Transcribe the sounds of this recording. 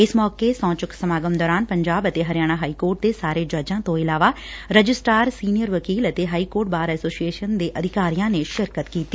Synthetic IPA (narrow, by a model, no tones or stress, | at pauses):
ɪsmɔːkesɔ̃ːt͡ʃʊksəmaːɡəmd̪ɔːɾaːnpəɲd͡ʒaːbət̪eːɦəɾjaːɽ̃aɦaːiːkoːɾʈ̚d̪eːsaːɾeːd͡ʒəɾd͡ʒãːt̪õːɪlaːʋaːɾəd͡ʒɪsʈaːɾsiːnijəɾʋəkiːlət̪eːɦaːiːkoːɾʈ̚baːɾɛːsoːsieːʃənd̪eːʔəd̪ʱɪkaːɾijãːneːʃɪɾkət̪kiːt̪ːiː